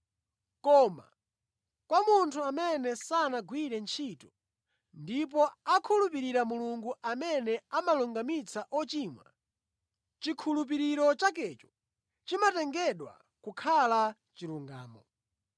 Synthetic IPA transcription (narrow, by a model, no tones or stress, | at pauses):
kɔma̰ | kwamuntʰuamɛnɛsanaɡwiɾɛnt͡ʃʰitɔ | ndip̬ɔakʰulup̬iɾiɾamuluŋɡuʔamɛnɛamaluŋɡamit͡sʰaʔɔt͡ʃiːmwa̰ | t͡ʃikʰulup̬iɾiɾɔt͡ʃakɛt͡ʃɔ̥ | t͡ʃimatɛŋɡɛɗwa̰ | kukʰala | t͡ʃiɾuŋɡa̰ːmɔ